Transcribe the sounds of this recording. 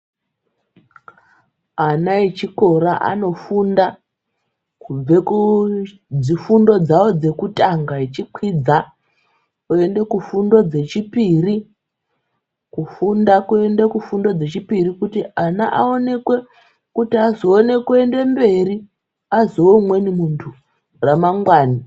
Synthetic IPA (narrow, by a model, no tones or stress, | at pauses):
anaet͡ʃiko̞ɾaʔa̰no̞funda | kub͡veku | d͡zifundo̞d͡zawo̞d͡ze̞kutʼaŋɡait͡ʃikʰwid͡za | kue̞nde̞kufundo̞d͡ze̞t͡ʃipiri | kufundakue̞nde̞kufundo̞d͡ze̞t͡ʃipirikutianaʔa̰o̞ne̞kwe̞ | kutiazo̞ːne̞kue̞nde̞mbe̞ri | azomwe̞nimuntʰu | ramaŋɡwaːni